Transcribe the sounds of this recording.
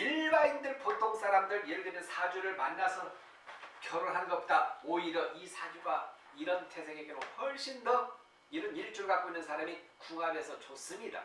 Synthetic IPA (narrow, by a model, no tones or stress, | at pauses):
iɭbaindɯɭpotʰoŋs͈aɾamdɯɾjeɭɡɯnɯnsʰad͡ʑuɾɯɭmanːasʰʌ | kjʌɾoɭɦanɡʌp͈odaoiɾʌʔisʰad͡ʑuɡa | iɾʌntʰe̞sʰe̞ŋeɡeɾoɸʌɭɕ͈indʌ | iɾɯniɭt͡ɕ͈uɾɭɡak͈oinːɯnsʰaɾamikuɦabe̞sʰʌt͡ɕos͈ɯmɲida̰